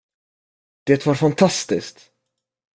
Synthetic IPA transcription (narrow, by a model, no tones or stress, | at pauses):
d̪̥eːt̪vaɾfant̪ʰast̪ɪskt̪